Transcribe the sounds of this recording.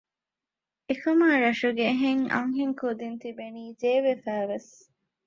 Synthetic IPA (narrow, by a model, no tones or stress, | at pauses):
ekɐmaːɾɐʃuɡeɦeŋɐ̰ŋɦeŋkud̪int̪ibeniːd͡ʒeːʋefæːʋes